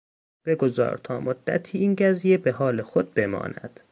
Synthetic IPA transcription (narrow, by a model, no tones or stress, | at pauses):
b̥e̞ɡo̞zɒ̰ːɾt̪ʰɒ̰ːmod̪ːæ̰t̪ʰiːiːnɟæzijebe̞ɦɒːle̞xo̞d̪̚be̞mɒ̰ːnæ̰d̪̥